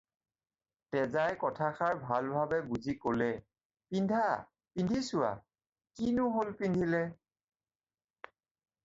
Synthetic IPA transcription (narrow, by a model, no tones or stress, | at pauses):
tɛzajkɔtʰaxaɹbʱalbʱabɛbuzikolɛ | pindʱa | pindʱisʊwa̰ | kinʊɦolpindʱilɛ